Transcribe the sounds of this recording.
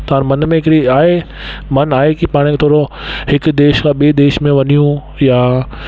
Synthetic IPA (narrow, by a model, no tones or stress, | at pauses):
t̪ɐʋãːnmɐnmẽɦɪkɽiaːɦe | mɐnaːɦekipaːɽ̃ekt̪ʰoːɾohɪkd̪eːʃkʰãɓied̪eːʃmẽʋɐnijũ | jaː